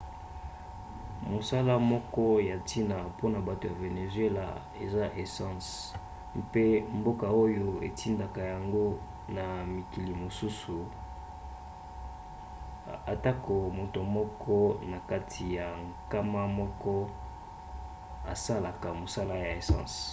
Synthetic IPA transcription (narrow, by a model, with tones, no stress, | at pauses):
mo˨sa˦la˦mɔ˦kɔ˦ja˨tʰi˦na˨po˦na˨ba˨to˨ja˨ve˨ne˨zɥe˦la̰˨ | ḛ˨za˦ʔe˨sã˦s | pe˦mbo˦ka˨o˦jo˦e˨tʰi˦nda˨ka˨ja˨ŋɡo˦ | na˨mi˨ki˨li˨mo˨su˦su˨ | a˨ta˦ko˨mo˨to˨mɔ˦kʰɔ˦na˨ka˦tʰi˨ja˨ŋka˦ma˦mɔ˦kɔ˦ | a̰˨sa˦la˨ka˨mo˨sa˦la˦ja˨e˨sɑ̰̃˦˨s